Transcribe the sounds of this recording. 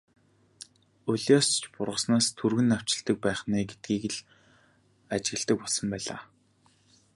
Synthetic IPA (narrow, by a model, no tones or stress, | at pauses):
ʊɮʲɔst͡ɕpʊrʁə̆snaːst̪ʰurɣɘ̆naw̥t͡ɕɪ̆ɬt̪ə̆k̚pæːχniːɡet̪̚ɡiːkɘ̆ɮ | at͡ɕɪ̆ɣɘ̆ɮt̪ə̆kpɔɮsɞ̆mpæːɮa̰ː